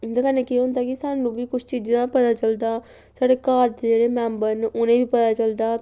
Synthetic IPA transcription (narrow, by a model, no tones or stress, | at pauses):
d̪akənẽːkiɦõːnd̪aːkɪsaːnũːbʱiːkʊt͡ʃʰt͡ʃiːd͡ʒãːpət̪aːt͡ʃəld̪aː | saːɽeːkaːɾt̪ed͡ʒeːɽeːmɛ̃ːmbənʊnẽːbiːpət̪aːt͡ʃəld̪aː